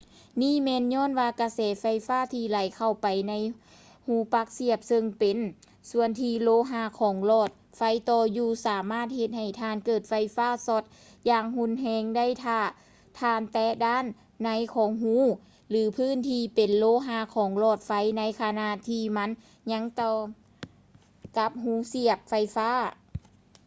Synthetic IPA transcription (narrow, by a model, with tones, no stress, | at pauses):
niː˥˨mɛː˧˥˨nɲɔː˥˨nwaː˧ka˧sɛː˨˩fa˧jfaː˥˨t̪ʰiː˧la˨˦jkʰa˧˩wpa˨jna˧˥j | huː˧˦pa˧˥k̚si˧˩əp̚sɤ˧ŋpe˨n | su˧˨ənt̪ʰiː˧loː˧˥ɦaː˧kʰɔː˨˦ŋlɔː˧˩t̪̚ | fa˧˥˩jt̪ɔː˧˩juː˧˩saː˨˦maː˥˩t̪̚he˧t̪̚ha˨˩jt̪ʰaː˧˥nkɤː˨˩t̪̚fa˧jfaː˥˨sɔ˧˦t̪̚ | jaː˧ŋhu˧˥˨nɦɛː˧˥ŋda˥˨jt̪ʰaː˧˩ | t̪ʰaː˧nt̪ɛː˧daː˧˥˨nː | a˧˥jkʰɔː˨˦ŋɦũː˧˥ | lɯː˨˦pʰɯː˧˥˨nt̪ʰiː˧pe˨nloː˧˥ɦaː˧kʰɔː˨˦ŋlɔː˧˩t̪̚fa˧˥jna˧˥jkʰa˧na˧t̪ʰiː˧ma˧˥˨n | ɲa˧˥ŋt̪ɔ˧ | ka˧˦p̚ɦuː˧˦si˧˩əp̚fa˧˥jfaː˧˥˨